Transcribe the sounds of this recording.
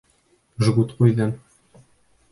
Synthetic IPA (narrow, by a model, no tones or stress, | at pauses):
ʒɡut̪qujðɘn